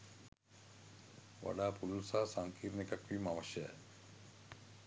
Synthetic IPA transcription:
ʋa̰ɖaːpululsaːsaŋkiːɾnekakʋimaʋaʃjə̰

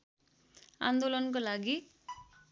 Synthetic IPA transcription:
a̰nd̪olʌnkolaɡi

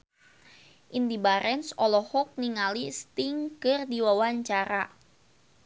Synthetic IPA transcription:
ʔindibaɾɛnsɔlɔhɔk̚niŋalist̪iŋkɨrdiwawaɲt͡ʃaɾa

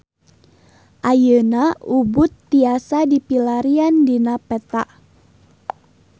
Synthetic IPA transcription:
ʔajənaubʊt̪ːiasadipilaɾiandinapɛt̪aʔ

